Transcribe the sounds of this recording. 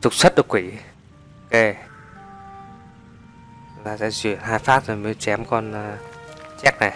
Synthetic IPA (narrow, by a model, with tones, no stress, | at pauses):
t̪ʊ˨˩k͡p̚sə˦˥t̚ɗɨ˨˩kwi˧˩˦ | ke˧ | laː˨˩sɛ̰˧˥t͡ɕwḭ˧˩˨ənɦaː˧jfaː˦˥p̚zməː˨˦t͡ɕɛ˨˦mkɔ˧nː˨˧t͡ɕɛ˦˥k̚na˨˩j